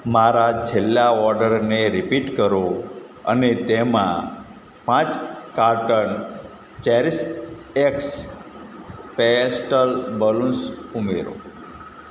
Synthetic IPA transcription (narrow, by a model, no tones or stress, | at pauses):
maɾad͡ʒelːaɔɾɖəɾneɾipiʈkəɾo | ə̰net̪emã̰ | pãt͡ʃkaɾʈən | t͡ʃɛɾiseks | pesʈəlbəlũsumeɾo̰